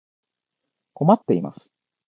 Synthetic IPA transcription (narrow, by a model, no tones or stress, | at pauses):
ko̞mat̪ːe̞ima̰sɨ̥